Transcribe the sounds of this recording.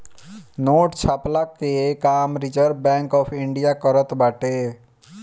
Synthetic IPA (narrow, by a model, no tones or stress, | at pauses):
noːʈt͡ʃʰaːplakekaːmɾit͡ʃəɾ̚bɛ̃ŋkɔːpʰɪɳɖijakɔɾət̪baʈe